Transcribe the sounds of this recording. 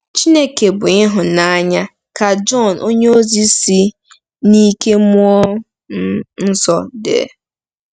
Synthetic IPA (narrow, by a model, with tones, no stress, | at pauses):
t͡ʃi˦ne˦ke˨bʊ˨ɪ˦ɦʊ˨na˦ɲa˦ | ka˨d͡ʒɔ˦˨n˨ʔo˦ɲe˦o˦zi˦si˦ | ni˦ke˦m˦ɔ˦ | n̩˦sɔ˨dḛ˨